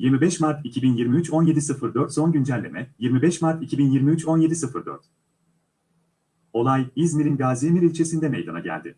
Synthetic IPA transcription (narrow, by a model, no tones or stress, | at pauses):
jiɾmibɛʃmaɾt̪icʰibinjiɾmiyt͡ʃo̞nje̞d̪isɯfɯɾd̪ø̞ɾt̪so̞nɟynd͡ʒælʲːḛmɛjiɾmibɛʃmaɾt̪icʰibinjiɾmiyt͡ʃʰo̞nje̞d̪isɯfɯɾd̪ø̰ɾt̪ | o̞lˠajizmiɾinɡaːzemiɾilʲt͡ʃʰe̞sind̪ɛme̞̰jd̪a̰naɟæ̰lʲd̪ɪ̰